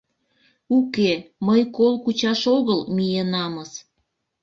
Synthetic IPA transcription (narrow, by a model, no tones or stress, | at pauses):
ukeməjkolkut͡ɕɑʃoɣəlmijenɑməs